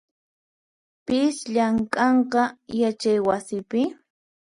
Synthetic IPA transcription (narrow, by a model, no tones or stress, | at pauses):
pɪsʎaŋkʼɑɴqɑjat͡ʃajwasɪpɪ